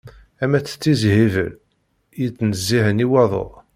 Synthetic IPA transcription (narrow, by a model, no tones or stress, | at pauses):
æmæt͡sːə̥t͡sːizɦivə̰l | jit͡sːnəzːiɦəniwɑðˤo̰ʁˤ